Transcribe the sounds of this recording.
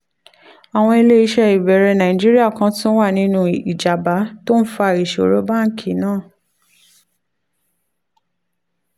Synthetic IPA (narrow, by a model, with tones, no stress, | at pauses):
a˨w̃ɔ̃˧i˧le˦i˧ʃɛ˧i˨bɛ˨ɾɛ˧nã˨ĩ˨d͡ʒi˦ɾi˦a˦˨kã˧˦tũ˦wa˦˨nĩ˨˦nũ˧i˨d͡ʒa˨ba˨˦to˦n̩˦fa˧˨ɾi˨ʃo˨ɾo˨˦ba˦˨˦kʰi˨˦nãː˦˨